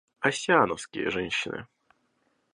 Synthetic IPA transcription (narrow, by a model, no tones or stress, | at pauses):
aɕʲjanɔskʲḛʐɛnʲɕinɘ̰